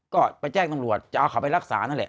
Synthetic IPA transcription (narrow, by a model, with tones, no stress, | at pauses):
kɔː˥˩pa˧jt͡ɕɛː˥˩ŋ̚t̪a˧mɾu˨˩ət̪̚t͡ɕa˨˧ʔa˧wkʰa˨˩˦pa˧jɾa˥˩k̚sa̰ː˩˦na˥˩nlɛ̰˨˩